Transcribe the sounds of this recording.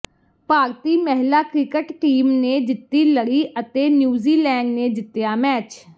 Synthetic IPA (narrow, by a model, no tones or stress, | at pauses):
paːɾt̪iːmɛɦlaːkɾɪkəʈʈiːmneːd͡ʒɪt̪ːiːləɽiːʔət̪eːnjuːziːlɛːɳɖneːd͡ʒɪt̪ːejaːmɛːt͡ʃ